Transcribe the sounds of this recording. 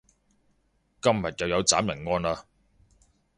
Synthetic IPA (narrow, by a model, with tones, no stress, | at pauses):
kɐ˥mjɐ˨t̚jɐ˨wjɐ˨˧wt͡saː˨˥mjɐ˨˩nŋɔː˥naː˧